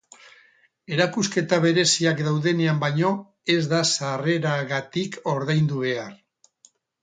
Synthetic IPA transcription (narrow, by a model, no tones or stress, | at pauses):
e̞ɾakuske̞t̪aβe̞ɾe̞siakd̪awðe̞ne̞ambaɲo̞ | e̞zðasare̞ɾaɣat̪ikʰo̞ɾð̞ajnd̪uβ̞e̞ar